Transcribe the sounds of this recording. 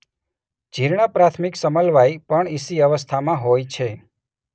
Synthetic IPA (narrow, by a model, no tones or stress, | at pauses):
d͡ʒʱiɾɳapɾat̪ʰmiksəməlʋajpəɳisiəʋəst̪ʰamãɦojt͡ʃʰe